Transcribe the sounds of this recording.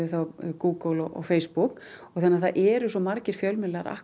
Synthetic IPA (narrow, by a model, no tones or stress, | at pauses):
ɪθawkuːkəwlɔʔɔ̰ɣfeːjspukɔɣθanːaɾθaðʔɛɾʏsɔmaɾcɪɾ̥fjœlmɪlɛɣaɾa̰h